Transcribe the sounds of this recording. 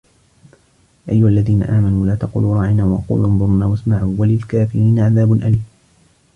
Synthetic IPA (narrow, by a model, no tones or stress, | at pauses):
ʔajːʊhalːaðiːna̰ʔaːmanuːlaːt̪ɑqṵluːɾˤɑːʕɪnaːwɑ̰qṵːlʔɑnðˤʊɾˤnaːwasmaʕuːwalɪlkaːfɪɾiːnaʕaðaːbʊnʔaliːm